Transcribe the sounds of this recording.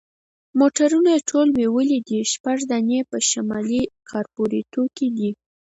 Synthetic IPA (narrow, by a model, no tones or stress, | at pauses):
moʈaɾunaeʈʰolwewəlid̪iʃpaʐd̪anepəʃamɑlikʰɑɾpoɾit̪oked̪i